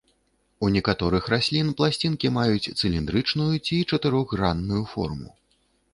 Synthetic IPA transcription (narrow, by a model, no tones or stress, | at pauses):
unʲɛkat̪ɔɾɨxɾasʲlʲinplˠasʲt͡sʲinkʲimajut͡sʲt̪sɨlʲind̪ɾɨt͡ʂnujut͡sʲit͡ʂɐt̪ɨɾɔɣranːujufɔ̰rmṵ